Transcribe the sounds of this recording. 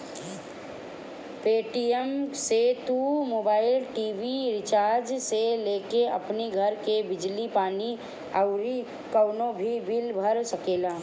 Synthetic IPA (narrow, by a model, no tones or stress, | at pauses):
peːʈiemset̪umoːbaːɪlʈiːʋiɾɪt͡ʃaːɾd͡ʒseleːkeɐ̰pniɡʱəɾkebɪd͡ʒlipaːni | əʊɾi | kəʊnõbʱibilbʱəɾsəkeːlaː